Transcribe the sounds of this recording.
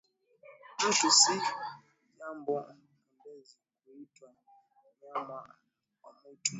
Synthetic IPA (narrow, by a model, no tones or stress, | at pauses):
d͡ʒuʃusi | d͡ʒam̩baa | ambezikuitwa | mamaʔa | amutʰu